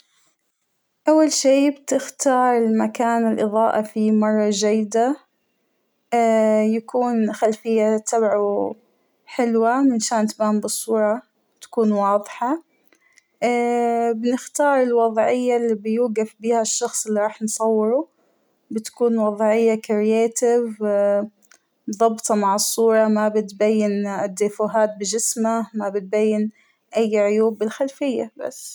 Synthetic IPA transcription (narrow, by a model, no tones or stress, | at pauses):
ʔawːalʃiːbt̪ɪxt̪ɑːɾˤɪlmakaːnɪlʔɨðˤɑːʔɑfimɑrˤːɑd͡ʒajːɪd̪a | jakuːnxalfɪjːat̪ʰabʕu | ħɪlwamɪnʃaːnt̪baːmbɨsˤːuːɾˤɑ | t̪ḁkuːnwɑːðˤħɑ | bɪnɪxt̪ɑːɾˤɪlwɑðˤʕɪjːalːiːbjuːɡafbiːhaʃːɑxsˤɪlːiɾˤɑːħnsˤɑwːɪɾu | bɪt̪kuːnwɑðˤʕɪjːakɾɪjeːt̪ɪv | mðˤɑbt̪ˤɑmaʕɨsˤːuːɾˤɑmabɪt̪bajːɪnɪd̪ːifuɦaːt̪̚bɪʒɪsmamabɪt̪̚bajːɪn | ʔajːʕʊjuːbːɪlxalfɪjːaba̰sː